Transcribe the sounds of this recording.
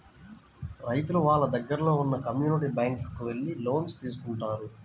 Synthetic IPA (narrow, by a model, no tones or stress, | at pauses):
ɾɐjt̪uluʋaːɭːɐd̪ɐɡːɐɾɐlo̞ːunːɐkɐmjuːniʈ̬ibaːŋkkuʋe̞ɭːilo̞ːnst̪iːs̬u̥kuɳʈaːɾu